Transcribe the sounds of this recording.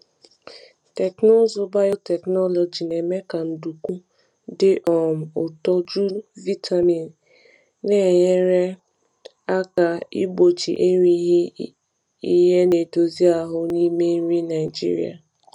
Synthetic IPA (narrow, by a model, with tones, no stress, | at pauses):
tɛ˨kno˦zo˨ba˦jo˦tɛ˨knɔ˦lɔ˨d͡ʒi˨ne˨me˦ka˨n̩˨du˨ku˦ | dɪ˦ʔɔ˨m̩˨o˨tɔ˦d͡ʒu˦vi˦tʰa˨mi˨n˨ | ne˦˨ɲe˦ɾe˦ | a˦ka˨i˦bo˨t͡ʃḭ˨ʔe˦ɲi˦ɦ | i˦ɦe˦ne˨do˨zi˦a˨ɦʊ˦ni˦me˦ɲʷi˦na˨ɪ˨d͡ʒḭ˦ɾḭ˦a̰˨